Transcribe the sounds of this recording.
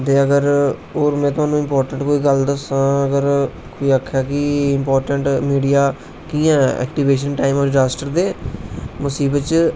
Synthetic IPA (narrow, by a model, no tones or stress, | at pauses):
t̪eːəɡəɾoːɾmɛ̃ːt̪ʊɦaːnũːɪ̃mpɔːɾʈəɳʈkoːiːɡəld̪əsãːəɡəɾ | koːiːəkʰːaːkɪɪmpɔːɾʈəɳʈmiːɖijaː | kiːãːɛ̰ːk̚ʈiʋeːʃ̬ənʈaːɪməːɾd͡ʒaːsʈəɾd̪eːmʊsiːbət͡ʃ